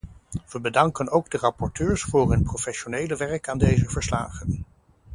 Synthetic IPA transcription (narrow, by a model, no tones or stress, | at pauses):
ʋəbədɑŋkənowɡdərɑpɔɹtøːɹsfʊːɹɦɵnprofɛʃonejləʋɛɹkaːndejzəvəɹsla̰ːχən